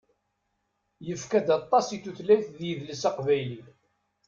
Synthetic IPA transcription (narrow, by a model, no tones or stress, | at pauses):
jəfkæd̪ɑt̪ˤːɑsit̪ːuθlːæjθðjiðləsɑqvæjli